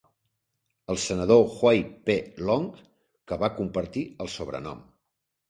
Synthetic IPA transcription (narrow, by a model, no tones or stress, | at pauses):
əlˠsənəð̞oxwajpelɔŋk | kəβakumpəɾt̪iəlˠsoβ̞ɾə̰nɔ̰m